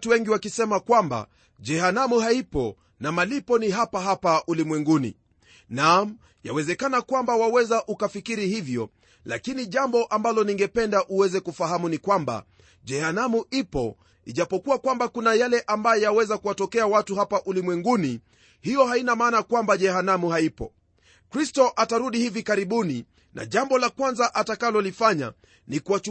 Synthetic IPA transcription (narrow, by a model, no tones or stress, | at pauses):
tuwɛŋɡiwakisɛmakwamba̰ | ʄɛhanamuɦaipɔ | namalipɔniɦapaɦapaʔulimwɛŋɡunḭ | nam | jawɛzɛkanakwambawawɛzaʔukafikiɾihivjɔ | lakiniʄambɔʔambalɔniŋɡɛpɛndaʔuwɛzɛkufaɦamunikwamba̰ | ʄɛhanamuipɔ | iʄapɔkuwakwambakunajalɛʔambajɔjawɛzakuwatɔkɛawatuɦapaʔulimwɛŋɡuni | hijɔɦainamaːnakwambaʄɛhanamuhaipɔ | kɾistɔʔataɾuɗihivikaɾiɓuni | na̰ʄambɔlakwanzaʔatakalɔlifaɲa̰ | nikuwa